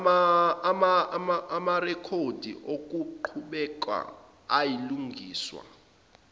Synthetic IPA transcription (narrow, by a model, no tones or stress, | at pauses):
mamaamarɛkʰod̥ʱḭʔok̬ʼuǃʰuɓɛk̬ʼwa̰ | ajiluŋʱiːswa̰